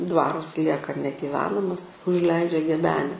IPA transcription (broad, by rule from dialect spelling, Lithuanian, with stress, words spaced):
ˈdʋɑːrʊs ˈlʲiɛkɐ nʲɛɡʲɪˈʋʲæːnɐmɐs ʊʒʲˈlʲɛɪd͡ʒʲɛ ɡʲɛˈbʲæːnʲɛ